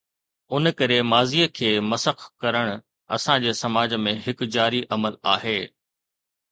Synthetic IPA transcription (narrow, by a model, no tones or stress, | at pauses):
ʊnkɐɾemaːziːəkʰeːmɐsəxkɐɾəɽ̃ʊ | ɐ̰sãd͡ʑeːsɐmaːd͡ʑmẽɦɪkd͡ʑaːɾiʔɐməla̰ːɦeː